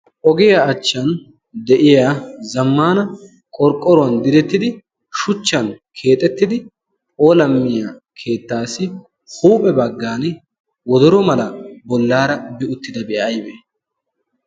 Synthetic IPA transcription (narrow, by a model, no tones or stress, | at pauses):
ʔɔɡɪjaɐt͡ʃːɐn | d̪ɛʔɪjaːzɐmːaːnɐ | kʼɔɾkʼːɔɾʊɐnd̪ɪd̪ɛt̪ːɪd̪ɪ | ʃʊt͡ʃːɐn | kʰe̞ːt̪ʼːɛt̪ːɪd̪ɪ | olɐmːɪja | kʰe̞ːt̪ːaːsɪ | huːpʼɛbɐɡːaːn | wɔd̪ɔɾɔmɐlɐbɔlːaːɾɐbɪʊt̪ːɪd̪ɐbɛʔɐjbeː